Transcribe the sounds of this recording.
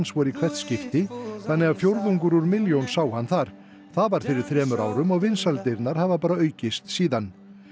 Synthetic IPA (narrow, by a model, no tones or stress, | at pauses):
nsvɔɾikʰvɛ̥t̪scɪft̪ɪθanːɛɣaðfjowɾðuŋkʏɾuɾʏmɪljownsaːwhanːθaɾ̥ | θaðvaɾ̥fɪɾɪɾ̥θɾɛːmʏɾa̰ːwɾʏmɔɣvɪnsalt̪ɪjɾnaɾ̥havapaːɾaœːɥcɪst̪siːðan